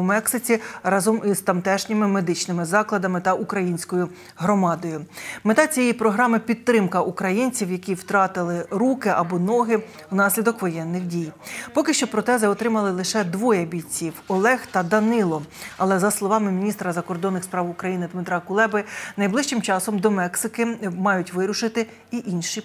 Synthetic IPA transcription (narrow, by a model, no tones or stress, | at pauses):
mɛksɪt͡sʲiɾɑzɔmizt̪ɐmt̪ɛʃnʲɪmɪmed̪ɪt͡ʃnɪmɪzɑklˠɐd̪ɐmɪt̪ɐʔukɾɐjinʲsʲkɔjʊ | ɦɾɔmɑd̪ɔjʊmet̪ɑt͡sʲijɛipɾɔɦɾɑmɪpʲit̪ːɾɪmkɐʔukɾɐjinʲt͡sʲiwjɐkʲiwt̪ɾɑt̪ɪlˠɪɾukɪʔɐbɔnɔɦɪ | wnɑsʲlʲid̪ɔkʋɔjɛnːɪxdʲijpɔkɪʃt͡ʃɔpɾɔt̪ɛzɪɔt̪ɾɪmɐlˠɪlˠɪʃɛd̪ʋɔjɐbʲit͡sʲiwɔlˠɛxt̪ɐd̪ɐnɪlˠɔɐlˠɛzɐslˠɔʋɑmɪmʲinʲist̪ɾɐzɐkɔrd̪ɔnːɪxspɾɑwʊkɾɐjinɪd̪mɪt̪ɾɑkʊlˠɛbɪnɐjblˠɪʃt͡ʃɪmt͡ʃɑsɔmd̪ɔmɛksɪkɪmɑjʊtʲʋɪɾʊʃɪt̪ɪ | iʔinʲʃi